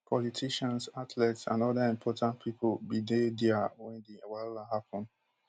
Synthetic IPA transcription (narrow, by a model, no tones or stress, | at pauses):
pʰɔlitʰiʃãnsatʰlɛtsã̰nɔdəĩmpʰɔtãnpʰipʰolbidedɛəwɛ̃ndiwalahapɔ̃n